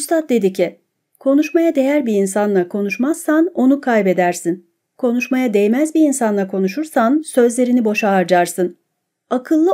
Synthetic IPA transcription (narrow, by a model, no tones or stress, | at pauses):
must̪at̪̚d̪e̞d̪icʰi | kʰo̞nuʃmajad̪e̞jæɾbiinsanlˠakʰo̞nuʃmazsːano̞nukʰajbe̞d̪æɾsin | kʰo̞nuʃmajad̪ejmæzbiinsanlˠakʰo̞nuʃuɾsansø̞zlʲe̞ɾinibo̞ʃaːɾd͡ʒaɾsɯn | akʰɯlˠːɯ